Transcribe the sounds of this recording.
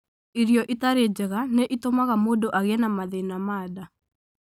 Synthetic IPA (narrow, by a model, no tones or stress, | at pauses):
iɾjɔʔitaɾed͡ʒɛɣaneʔitomaɣamoːdoʔaɣɛnamaðenamaːda